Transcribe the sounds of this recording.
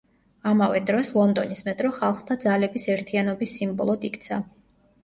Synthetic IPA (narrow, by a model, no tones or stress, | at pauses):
amavɛd̪ɾɔslˠɔnd̪ɔnismɛt̪ʼɾɔχalˠχt̪ʰad̪zalɛbisɛɾt̪ʰianɔbisːimbɔ̰lˠɔd̪ikʰʼt̪sʰa